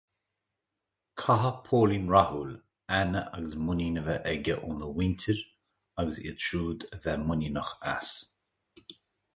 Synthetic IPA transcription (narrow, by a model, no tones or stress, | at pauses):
kʰaɦəpʰoːlinɹahuːl | anəʔa̰ɡəsmʊninəvəʔɛɡʲəʔunðəwɪntʰəɹ | aɡəsḭʃʰɹuːd̪əvɛmʊninəxa̰s